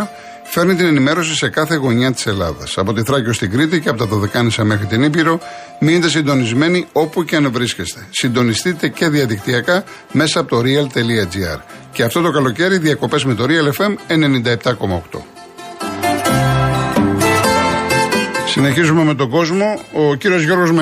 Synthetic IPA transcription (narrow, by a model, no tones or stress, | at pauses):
fe̞ɾnit̪ine̞nime̞ɾo̞sise̞kɐθe̞ɣo̞ɲɐt̪i̥se̞lɐ̰ðɐ̰sɐpo̞t̪iθɾɐcost̪iɡɾit̪̬iceɐpot̪ɐt̪ɐðekɐnisɐme̞xɾit̪inibiɾo̞ | minet̪e̞sind̪o̞nizme̞nio̞puceɐnvɾisce̞st̪e̞̥sind̪o̞nist̪it̪e̞ce̞ðiɐðikt̪iɐkɐ | me̞sɐːpo̞t̪o̞ɾiɐlt̪e̞liɐd͡ʒiɐ̰ɾ | ce̞ɐft̪o̞t̪o̞kɐlo̞ce̞ɾiðiɐko̞pe̞zme̞t̪o̞ɾiɐle̞fe̞me̞ne̞nind̪ɐep̚t̪ɐko̞mɐokt̪o̞̰ | sine̞çizume̞me̞t̪o̞ɡo̞zmo̞ociɾio̞zʝo̞ɾɣo̞zm